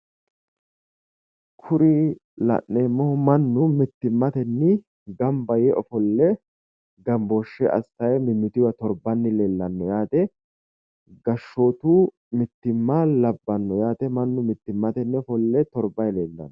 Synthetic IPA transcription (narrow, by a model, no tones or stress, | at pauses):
kʰʊɾɪ | lɐ̰ʔːeːmːɔmɐnːʊmɪt̪ːɪmːɐt̪ɛnːɪ | ɡɐmbɐjɛʔɔfɔlːɛ | ɡɐmboːʃːɛʔɐ̰st̪ɐjmɪmːɪt̪ɪwɐt̪ɔɾbɐnːɪleːlːɐnːɔjaːt̪ɛ | ɡɐʃːo̞ːt̪uː | mɪt̪ːɪmːalɐbːɐnːɔjaːt̪ɛmɐnːʊmɪt̪ːɪmːɐt̪ɛnːɛɔfɔlːɛt̪ɔɾbɐjleːlːɐ̰nːɔ